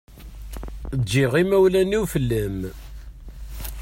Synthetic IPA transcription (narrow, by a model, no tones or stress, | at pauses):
dːiʁimæwlæniwfəlːəm